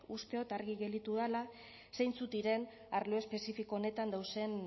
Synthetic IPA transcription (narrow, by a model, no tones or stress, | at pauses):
ust̪eot̪aɾɣiɣe̞ld̪it̪uðala | sejnt͡sut̪iɾe̞n | aɾloespe̞sifiko̞ːne̞t̪and̪awse̞n